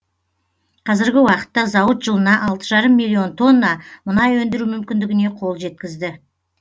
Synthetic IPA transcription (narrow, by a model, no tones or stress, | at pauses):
qʰɑzɪɾɡʲɪwɑqə̥t̪ːɑzɑwət̪ʒəlˠənɑʔɑlˠt̪əʒɑɾəmːilʲːio̞nt̪ʰo̞nːɑmʊnɑjwɵnd̪ɪɾumʏmkʲɪnd̪ɪɡʲɪne̞qʰo̞lˠʒe̞t̪̚kʲɪzd̪ɪ